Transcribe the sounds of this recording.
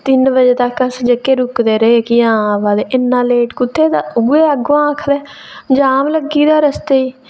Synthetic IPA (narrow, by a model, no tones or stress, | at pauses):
t̪ɪnbəd͡ʒeːt̪akːəsd͡ʒekːeːɾʊkd̪eːɾəeːkiãːʋaːd̪eːɪnːãːleːʈkʊt̪ʰːeːd̪aːʊɡeːəɡoãaːkʰd̪ɛː | d͡ʒaːmləɡiːd̪aːɾəst̪eːiː